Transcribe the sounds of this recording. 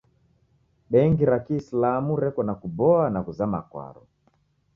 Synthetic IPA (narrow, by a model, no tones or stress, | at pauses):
ɓɛŋɡiɾakislamuɾɛkɔnakubɔanakuzama̰kwa̰ɾɔ̰